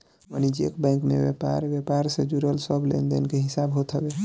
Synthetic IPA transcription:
ʋənid͡ʒekbɛ̃ɪ̃ŋkmḛbepa̰ɾbjepaɾsed͡ʒuɾəlsəblḛnd̪ḛnkeɦisabɦot̪ɦəbe

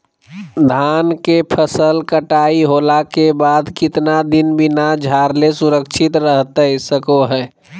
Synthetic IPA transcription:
d̪ʱankepʰəsəlkəʈaiɦolakebad̪kɪt̪nad̪inbinad͡ʒʱaɾlesuɾəkt͡ʃʰit̪ɾəɦt̪əsəkoɦɛː

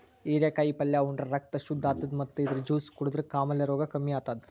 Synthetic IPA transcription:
iːɾjɐkaːjipɐljaːuɳɖɾɐɾɐk̚t̪ɐʃud̪ʱːaːt̪ːɐd̪mɐt̪ːɨid̪ɐɾd͡ʒuːskuɽud̪ɾɨkaːmɐljɐɾoːɡɐkɐmːijaːt̪ad̪

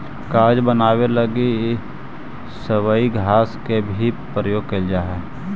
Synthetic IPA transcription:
kaːɾd͡ʒbənaːwelɐɡe | səwəiɡʱaːskebʱipɾəjoːɡ̚keld͡ʒaːɦɛː

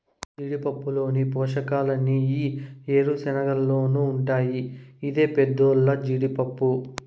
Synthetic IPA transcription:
d͡ʒiːɽipɐpːulo̞ːnipɔːʂɐkaːlɐnːiiːeːɾusɛnɐɡɐlːoːnuːɳʈaːjiːd̪e̞ːped̪ːoːlːɐd͡ʒiɽipɐpːu

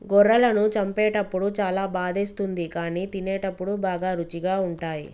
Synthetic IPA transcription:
ɡɔɾːɐlɐnut͡ʃɐmpɛːʈɐpːuɽut͡ʃaːlaːbaːd̪ʱist̪und̪ikaːniːt̪inɛːʈɐpːuɽubaːɡaːɾut͡ʃiɡaːuɳʈaːjḭ

